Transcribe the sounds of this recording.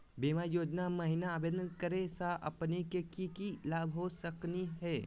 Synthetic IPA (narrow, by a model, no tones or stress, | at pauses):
beːmajoːd͡ʒnamɐɦɪnaːbednkəɾesaʔɐ̰pnekekikilaːbʱɦosəkniɦɛː